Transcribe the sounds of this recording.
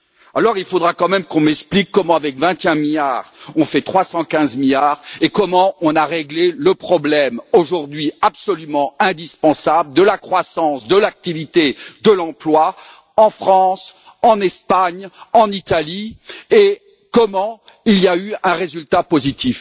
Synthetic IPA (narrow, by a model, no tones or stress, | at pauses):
alɔʁilfod̪ʁakɑ̃mɛmkɔ̃mɛksplikːɔmɑ̃avɛkvɛ̃t̪eɛ̃miljaʁɔ̃fɛt̪χwasɑ̃kʲɛ̃zmiljaʁekɔmɑ̃ɔ̃naʁeɡleləpχɔblɛmoʒuʁd̪ɥiapsɔlymɑ̃ɛ̃d̪ispɑ̃sabld̪əlakχwasɑ̃sd̪əlak̚t̪ivit̪ed̪əlɑ̃plwa | ɑ̃fχɑ̃s | ɑ̃nɛspaɲɑ̃nit̪alie | kɔmɑ̃ | iliayɛ̃ʁezylt̪apozit̪if